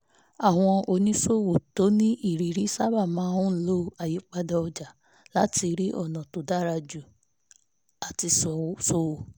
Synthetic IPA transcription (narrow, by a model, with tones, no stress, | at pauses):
a˦˨w̃ɔ̃˧o˨nĩ˨˦so˦˨wo˨to˨˦nĩ˦ʔi˦˨ɾi˨ɾi˨˦sa˦ba˦˨mãː˨˦hũ˦lo˦a˨ji˨˦k͡pa˧dɔ˧ɔ˧d͡ʒa˨ | la˦ti˧ɾi˦ʔɔ̰˦˨nã˨to˨da˦ɾa˧d͡ʒu˨ | a˨ti˧sɔ˧˨so˧˦wo˨